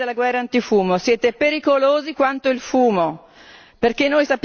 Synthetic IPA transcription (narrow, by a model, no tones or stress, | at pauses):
elːaɡwɛrːant̪ifuːmosjɛːt̪epeɾikoloːzikwant̪oilfuːmo | perkenːojsapː